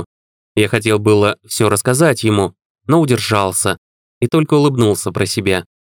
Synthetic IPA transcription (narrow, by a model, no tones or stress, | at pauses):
jaxɐtʲelˠbɨlˠəfsʲɵɾəskɐzatʲjɪmu | no̞ʊdʲɪrʐɑlˠsʲə | it̪o̞lʲkəʊlˠɨbnulˠsʲəpɾəsʲɪbʲa